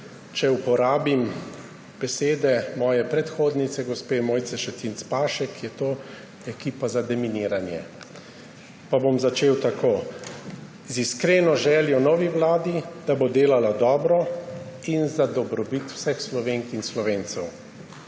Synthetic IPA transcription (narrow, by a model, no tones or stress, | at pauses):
t͡ʃɛupɔɾaːbim | b̥ɛseːd̪ɛmɔːjɛpɾɛt̪xoːd̪nit̪sɛɡɔspeːmoːjt̪sɛʃɛt̪int̪spaːʃɛkjɛt̪oː | ɛkiːpazad̪ɛminiːɾanjɛ̰ | pabomzat͡ʃeːwt̪akoː | ziskɾeːnɔʒɛːljɔnɔːʋiwlaːd̪id̪̥abod̪eːlalad̪ɔːbɾɔinzad̪ɔbɾɔbit̪w̥sɛxslɔʋeːŋkinslɔʋeːnt̪sɛw